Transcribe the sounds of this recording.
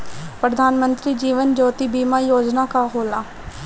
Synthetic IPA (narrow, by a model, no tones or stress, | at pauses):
pɾəd̪ʱaːnmənt̪ɾiːd͡ʒiːʋənd͡ʒoːt̪iːbiːmaːjoːd͡ʒnaːkaːɦoːlaː